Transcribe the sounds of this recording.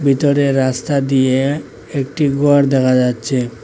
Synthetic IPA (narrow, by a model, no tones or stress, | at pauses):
bʱit̪oɾeːast̪ad̪ije | ek̚ʈiɡɔɾd̪ɛkʰad͡ʑatːɕʰe